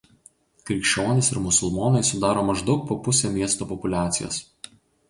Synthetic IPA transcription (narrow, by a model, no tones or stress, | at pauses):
kɾʲɪkʃʲt͡ʃʲoːnʲɪsɪɾmʊsʊlˠmoːnɐɪsʊd̪ɑːɾoːmɐʒd̪ɒʊk̚poːpʊsʲemʲiɛst̪oːpɔpʊlʲæːt̪sʲɪjo̰ːs